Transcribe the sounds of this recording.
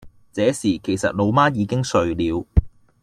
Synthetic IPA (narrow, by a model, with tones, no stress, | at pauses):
t͡sɛː˨˥siː˨˩kʰe˨˩jsɐ̰˨t̚lo˨˧wmaː˥jiː˨˧kɪ˥ŋsɵ˨˧ɥliː˨˧w